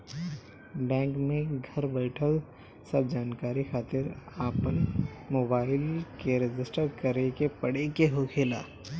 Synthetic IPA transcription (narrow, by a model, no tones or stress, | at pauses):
bɛ̃ːŋkmẽɡʱɐɾbɛɪʈʰəl | sɐb̚d͡ʒaːnkaːɾixaːt̪ɪɾaːpənmoːbaːɪlkeɾɪd͡ʒɪsʈəɾkəɾekepɐɽekeɦokʰeːla̰ː